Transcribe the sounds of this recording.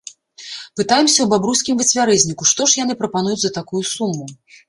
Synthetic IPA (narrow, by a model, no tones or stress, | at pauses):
pɨt̪ajɛmsʲɐwbabɾusʲkʲimvɨt͡sʲvʲaɾɛzʲnʲikuʂt̪ɔʂjan̪ɨpɾɐpanujut͡sʲzɐt̪akujusumːu